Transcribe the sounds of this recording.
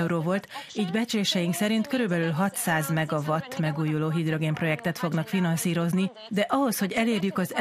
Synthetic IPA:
ɾoːvo̞lt̪iːɟbɛt͡ʃleːʃɛjiŋksɛɾint̪kø̞ɾylbɛlylɦɒt̪saːzmɛɡɒvɒt̪ːmɛɡuːjuloːɦid̪ro̞ɡeːmpro̞jɛkt̪ɛt̪fo̞ɡnɒkfinɒnsiːɾo̞zni | d̪ɛʔɒɦo̞sho̞ɟɛleːrjykɒz

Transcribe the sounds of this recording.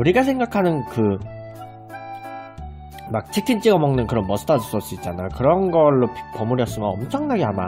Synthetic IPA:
uɾiɡasʰe̞ŋɡakʰanɯnkɯ | mak̚t͡ɕʰikʰint͡ɕ͈iɡamʌŋnɯnkɯɾʌnmʌsʰɯ̥tʰadus͈ʌs͈uit̚t͡ɕ͈anajokɯɾʌnɡʌɭːoppʌmuɾjʌs͈ɯmjʌnʌmt͡ɕʰʌŋnaɡeɦama̰

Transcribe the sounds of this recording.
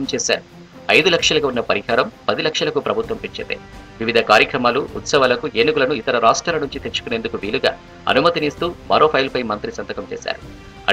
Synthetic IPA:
mt͡ʃɛːsa̰ːɾu | ɐjd̪ulɐkʂɐlɐkɐunːɐpɐɾiɦaːɾɐmpɐd̪ilɐkʂɐlɐkupɾɐbʱut̪ʋɐmpiɲt͡ʃet̪ḛʋiʋid̪ʱɐkaːɾjɐkɾɐmaːluut̪sɐʋɐːlɐkueːnikulɐnuit̪ɐɾɐɾaːʂʈɾaːlɐnuɲt͡ʃit̪e̞t͡ʃːu̥kune̞ːnd̪ukuʋiːluɡa̰ː | ɐ̰numɐt̪inist̪uːmɐ̰ɾʔoːpʰɐjlpɐjmɐnt̪ɾisɐnt̪ɐkɐmt͡ʃɛ̰ːsa̰ːɾu | ɐ̰

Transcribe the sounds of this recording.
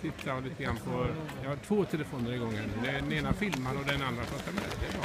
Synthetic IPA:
t̪ʰɪt̪ʰːaliːt̪əɡɾa̰nːpʰɔjɑhaʈʰvoːt̪ʰɛləfoːnəɾɪɡɔŋːənd̪ɛɖɛneːnafɪlmaɾɔd̪ɛnand̪ɾasɔt̪ʰːamɛ̰d̪ɛːb

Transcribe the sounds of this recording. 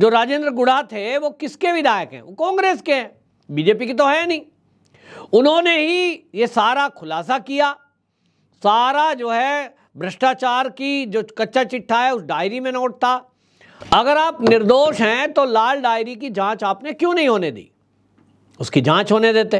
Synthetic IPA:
d͡ʒoːɾaːd͡ʒẽːnd̪ɾəɡʊɽat̪ʰeʋokɪskebʱɪd̪ʱaːjəkɦɛ̰̃okɔ̃ːŋɡɾeːskeɦɛ̃ː | biːd͡ʒeːpikit̪̬oɦɛnɐĩː | ʊnɦõneɦijesaːɾakʰʊlaːsakijaː | saːɾad͡ʒoːɦɛ | bɾəʃʈaːt͡ʃaːɾkid͡ʒoːkɐtːʃʰat͡ʃɪʈʰːaɦɛʊsɖaːɪɾimẽnoːʈ̚t̪a | ɐɡəɾaːpnɪɾd̪oːʃɦɛ̃t̪olaːlɖaːɪɾikid͡ʒãːt͡ʃaːpnekjõnɐɦĩɦoːned̪ḭː | ʊskid͡ʒãːt͡ʃɦoːned̪eːt̪e

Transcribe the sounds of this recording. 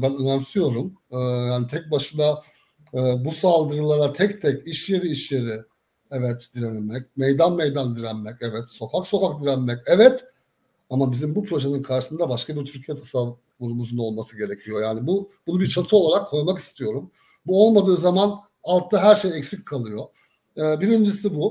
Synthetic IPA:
bænønaɾsɯjo̞ɾumɯːjaːnit̪ʰɛc̚baʃɯd̪ˠa | ɯːbusalˠd̪ɯɾɯlˠaɾat̪ʰɛct̪ʰɛciʃje̞ɾiiʃjeɾɪ | ɛvɛt̪d̪iɾenimɛcmɛjd̪anmejd̪and̪iɾænmɛcɛvɛt̪so̞fʰakso̞fak̚d̪iɾænmɛcɛvɛt̪ | amabizimbupʰɾo̞ʒenɯnkʰaɾʃɯsɯnd̪abaʃkʰabiɾt̪ʰyɾcʰijɛt̪ʰasav | uɾumuzuno̞lˠmasɯɟe̞ɾecʰijo̞jaːnibubunubiɾt͡ʃʰat̪ʰɯo̞lˠaɾakʰːo̞ɾmaki̥st̪ʰijo̞ɾum | buo̞lˠmad̪ɯːzaman | alˠt̪ʰːaɦæɾʃejɛcsicʲkʰalˠɯjo̞ | ɯːbiɾind͡ʒisibu

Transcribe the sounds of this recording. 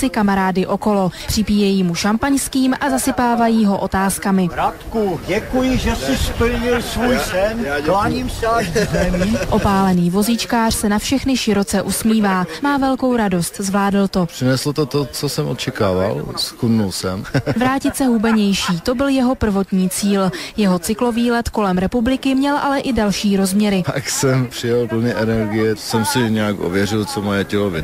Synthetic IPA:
sɪkamaɾaːdɪʔo̞ko̞lo̞pr̝̥ɪpiːjɛjiːmuʃampaɲskiːmʔazasɪpaːvajiːɦo̞ʔo̞t̪aːskamɪɾat̪kuɟɛkujɪʒɛsɪst̪ojɪlsvuːjsɛnaːɲiːmsɛaʒdzɛmiːʔo̞paːlɛniːvo̞zɪt͡ʃkaːr̝̥sɛnafʃɛxnɪʃɪɾo̞t͡sɛʔusmiːvaːmaːvɛlko̞wɾado̞st̪zvlaːdl̩t̪o̞pr̥ɪnɛslot̪ot̪ot͡sosɛmʔot̪t͡ʃɛkaːva̰lskudnulsɛmvɾaːcɪt̪sɛɦubɛɲɛjʃiːt̪o̞bɪljɛɦo̞pr̩vo̞t̪ɲiːt͡siːljɛɦo̞t͡sɪklo̞viːlɛt̪ko̞lɛmɾɛpublɪkɪmɲɛlʔalɛʔɪdalʃiːɾo̞zmɲɛɾɪpa̰ksɛmpr̥ɪjɛlpl̩ɲɪʔɛnɛɾɡɪjɛsɛmsɪɲɛjakʔo̰vjɛrɪlt͡somojɛcɛlovɪ

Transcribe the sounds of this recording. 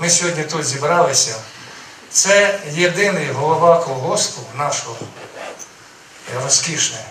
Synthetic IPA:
mɪsʲɦɔdʲnʲit̪ut̪zʲibɾɑlˠɪsʲɐ | t̪sɛjed̪ɪnɪjɦɔlˠɔʋɑkɔɔɦɔst̪ʊnɑʃɔɔ | rɔskʲiʃnɛ

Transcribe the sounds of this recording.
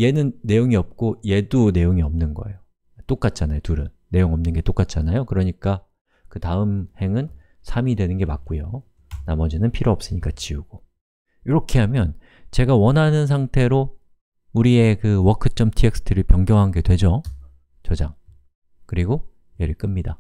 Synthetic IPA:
je̞nɯnːe̞joŋiʌp̚k͈oje̞dune̞joŋiʌmnɯnɡʌe̞̰jo | t͈ok͈at̚t͡ɕ͈anajotuɾɯnːe̞joŋʌmnɯnɡe̞t͈ok͈at̚t͡ɕ͈anajokɯɾʌɲik͈a | kɯtaɯmhe̞ŋɯn | sʰamidwe̞nɯnɡe̞mak̚k͈ujo | namʌd͡ʑinɯnpʰiɾoʌp̚s͈ɯɲik͈at͡ɕiuɡ̥o | iɾʌkʰe̞ɦamjʌn | t͡ɕe̞ɡawʌnɦanɯns̬ʰaŋtʰe̞ɾo | uɾie̞kɯwʌkʰɯt͡ɕ͈ʌmtʰieks͈ʰɯ̥tʰɯɾɯɭpjʌŋɡjʌŋɦanɡe̞dwe̞d͡ʑo | t͡ɕʌd͡ʑa̰ŋ | kɯɾiɡo | jeɾɯɭk͈ɯmɲida

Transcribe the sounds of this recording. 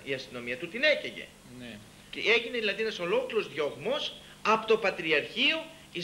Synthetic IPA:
iɐst̪ino̞miɐt̪ut̪ine̞ceʝe̞̰ | n | cee̞ʝineðilɐðienɐso̞lo̞kliɾo̞zðʝoɣmo̞s | ɐpot̪o̞pɐt̪ɾiɐɾçio | i

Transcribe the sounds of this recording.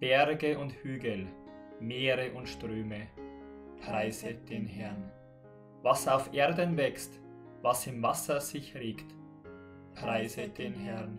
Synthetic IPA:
b̥ɛʁɡəʔʊnthyːɡəl̩ | meːʁəʔʊntʃtʁ̥øːmə | pʁ̥aɪzəd̥eːnhɛɐn | vasaʊfʔeːɐdənvɛkst | vasɪmvasɐz̥ɪçʁeːkt | pʁ̥aɪzəd̥eːnhɛʁn

